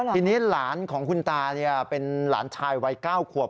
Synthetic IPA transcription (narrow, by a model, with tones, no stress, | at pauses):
iː˧niː˦˥laː˩˦nkʰɔː˩˦ŋkʰu˧nt̪aː˧ni˥˩ɐpe˧nla̰ː˩˦nt͡ɕʰaː˧jwa˧˥jkaː˥˩wkʰu˨˩əp̚